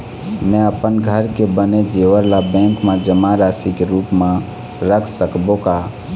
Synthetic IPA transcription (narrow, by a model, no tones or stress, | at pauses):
mɛ̃əpənɡʱəɾkebəned͡ʒeʋəɾlabɛ̃ŋkmẽd͡ʒəmaɾasikeɾuːpmã | ɾəkʰsəkboka